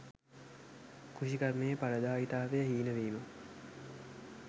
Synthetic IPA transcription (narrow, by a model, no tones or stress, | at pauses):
kʰuʃikərmejəpaɾəd̪aːit̪aːʋejəɦiːnəʋeːmə